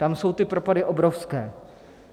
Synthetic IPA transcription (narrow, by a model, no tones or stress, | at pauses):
t̪amso̞wt̪ɪpɾopadɪʔobɾofskɛː